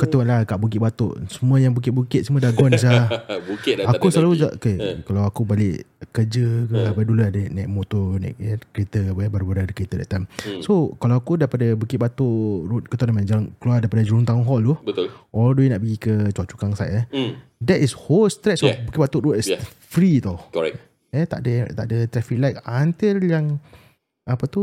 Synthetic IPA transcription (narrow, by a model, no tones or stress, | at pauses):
kət̪uanlakaʔbuk̬ɪt̪ʔ̚bat̪o̰ʔsəmũəjaŋbuk̬ɪt̪̚bukɪt̪səmũədaɡɔns̬abuakusəlalud͡ʒaʔkekalawakubalɪʔkəd͡ʒəkəabaduluadənɛ̃k̚mot̪ɔnɛ̰k̚əkəɾit̪əbaɾabaɾadəkəɾit̪əda̰ʔt̪amsokalawakudaipadabukiɪt̪̚bat̪oʔɾut̪̚kət̪ɔnamãnd͡ʒalankəluardaipadəd͡ʒluŋt̪aŋɔŋɦɔldubət̪ʊlʔɔlduenaʔbəɡikət͡ʃaʔt͡ʃu̥kaŋsajʔə | dɛtisholst̪ɾɛt̪̚sobukiʔbat̪ʊʔɾut̚ɛs | fɾit̪ɔkɔɛ | ət̪a̰ʔdət̪a̰ʔdət̪ɾɛfik̚lajkant̪iljaŋ | apət̪u